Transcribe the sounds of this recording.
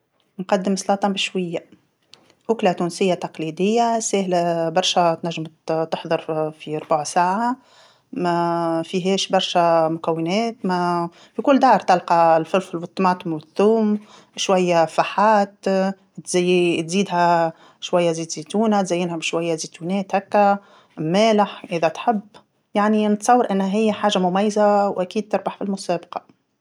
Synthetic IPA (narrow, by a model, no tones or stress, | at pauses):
nqɑd̪ːəmslɑːt̪ˤɑbɪʃwajːa | ʔʊklat̪uːnsɪjːat̪ɑqlid̪ɪjːasæːhlæbɑɾˤʃæt̪næʒːəmt̪əħðˤəɾˤfiɾˤbaʕsaːʕa | mæfiɦɛːʃbɑɾˤʃæmʊkæwːɪnɛːt̪mæ | fikʊlːd̪ɑʕɾˤt̪ɑlqɑlfɪlfɪlwɪt̪ːˤɑmɑːt̪ˤʊmwɪθːuːm | ʃwæjːæfaħaːt̪ | t̪zːt̪ziːd̪ɦæ | ʃwæjːæziːd̪zit̪uːnæt̪zæjːɪnhæbʃwæjːæzit̪uːnɛːt̪hækːæ | mæːlɪħʔɪðæt̪ħɪbː | jaʕninət̪sˤɑwːəɾʔænːhæɦɪjːæħaːʒamʊmæjːzawʔækiːd̪̚t̪ɪɾˤbaħfilmʊsæːbqɑ